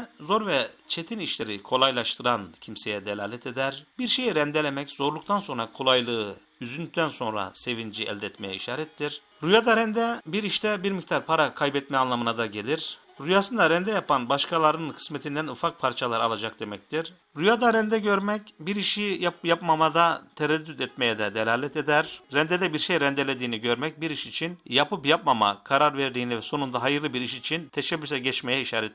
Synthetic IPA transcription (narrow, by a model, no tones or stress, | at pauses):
zo̞ɾvɛt͡ʃʰe̞t̪ʰiniʃlʲe̞ɾikʰo̞lˠajlˠaʃt̪ʰɯɾancʰimse̞jɛd̪elʲa̰ːlʲɛt̪ʰe̞d̪æɾbiɾʃe̞jiɾɛnd̪e̞lʲemɛcz̥o̞ɾlˠukt̪ʰanso̞nɾakʰo̞lˠajlˠɯɯ | yzynyt̪ʰːænso̞nɾa̰se̞vind͡ʒiɛ̰lʲd̪ɛt̪mejɛiʃaːɾɛt̪ːiɾ | ɾujad̪aɾɛnd̪ɛbiɾiʃt̪ʰɛbiɾmict̪ʰaɾpʰaɾakʰajbɛt̪mɛanlˠamɯnad̪aɟe̞lʲiɾ | ɾujasɯnd̪aɾɛnd̪ɛjapanbaʃkʰalˠaɾɯɯnkɯ̥smet̪ʰind̪ænufak̚pʰaɾt͡ʃʰalˠaɾalˠad͡ʒak̚d̪e̞mɛc̚t̪ʰiɾ | ɾujad̪aɾɛnd̪ɛɟø̞ɾmɛcbiɾiʃijajapmamad̪at̪ʰeɾɛd̪ːyt̪ɛt̪̚me̞jɛd̪ɛd̪elʲaːlʲɛt̪ʰed̪æɾːɛnd̪ed̪ɛbiɾʃejɾɛnd̪e̞lʲed̪iːniɟø̞ɾmɛc̚biɾiʃit͡ʃʰinjapʰɯpjapmama̰kʰaɾaɾveɾd̪iːnivɛso̞nund̪aɦajɯɾlɯbiɾiʃit͡ʃʰint̪ʰeʃɛbːysɛɟɛt͡ʃme̞jɛiʃaːɾɛt̪